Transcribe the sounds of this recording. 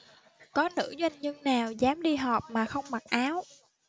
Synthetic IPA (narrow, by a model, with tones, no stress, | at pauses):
kɔ˨˦nɨ̰˧˥zwa˧jŋ̟ɲɨ˧ŋnaː˨˩wzaː˨˦mɗi˧ɦɔ˨˩p̚maː˨˩xə˧wŋ͡mma˨˩t̚ʔaː˨˦w